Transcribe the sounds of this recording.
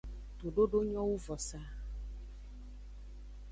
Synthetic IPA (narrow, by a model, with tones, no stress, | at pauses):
t̪o˨ɖo˦ɖo˦ɲɔ̃˦wu˦vɔ˨sa˦